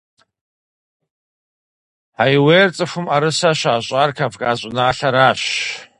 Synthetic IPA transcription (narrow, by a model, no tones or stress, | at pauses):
ajwejrt͡sʼɨfʊmaɾɨsaʃaːɕʷʼarkʰavkʼaɕʷʼʊnaːɬaɾaʃ